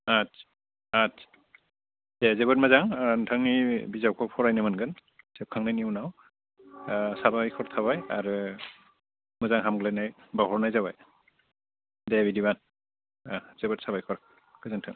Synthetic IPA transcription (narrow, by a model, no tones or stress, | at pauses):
a | at | dɛzɛbɔt̚mazaŋaantʰaŋnibizaw̚kʰɔk̚pʰɔɹajnamanɡan | sɛp̚kʰaŋnaninaw | sabajkʰɔɹt̪ʰaβaja̰ɹu | mazaŋɦamɡlanajbaɦɔɹnajzaβaj | dɛbidiban | z̥ɛbɔtsabajkʰɔɾ | kʰɯzantʰaŋ